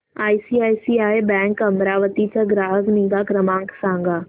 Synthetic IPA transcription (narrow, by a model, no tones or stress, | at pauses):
aːisiːaːjsiːaːjbɛ̃ːŋkɐmɾaːʋət̪it͡ɕaɡɾaːɦəknĩŋɡakɾəmãːŋksãːŋɡaː